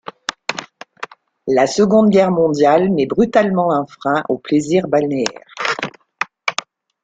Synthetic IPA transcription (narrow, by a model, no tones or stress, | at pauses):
lasəɡɔ̃d̪ɡʲɛʁmɔ̃d̪jalnɛbʁyt̪almɑ̃ɛ̃fχɛ̃ʔopleziʁbalneɛ̰ʁ